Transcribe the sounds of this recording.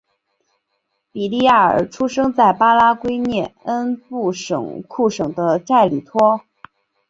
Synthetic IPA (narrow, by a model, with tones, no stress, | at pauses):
pi˨˩li˥˧ja˥˩ə̰˞˨˩ʈ͡ʂʰu˥ʂɤ˥ŋt͡sa˥˩ɪpa˥la˥kwe˥ɪnjɛ˥˩nə˥npu˥˩ʂɤ̰˨˩˦ŋkʰu˥˩ʂɤ˨˩ŋd̪ə˦ʈ͡ʂa˥˩ɪli˨˩t̪ʰwɔ˥